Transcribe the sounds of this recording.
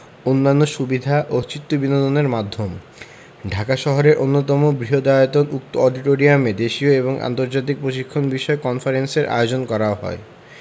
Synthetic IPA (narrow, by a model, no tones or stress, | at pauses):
onːanːoʃubid̪ʱaʔot͡ɕit̪ːobinod̪oneɾmad̪ʱːom | ɖʱakaʃɔɦoɾeɾʔonːot̪ɔmobɾiɦod̪aot̪onuk̚t̪oɔɖiʈoɾiamed̪eʃioeboŋʔa̰nt̪oɾd͡ʑat̪̬ik̚pɾoʃikʰːonbiʃɔekɔnfaɾenseɾʔa̰eod͡ʑonkɔɾaoɦɔ̰e